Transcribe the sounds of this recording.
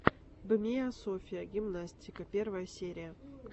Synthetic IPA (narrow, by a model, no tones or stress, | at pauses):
bəmʲejasofʲijəɡʲimnasʲtʲɪkəpʲervəjəsʲeɾʲɪjə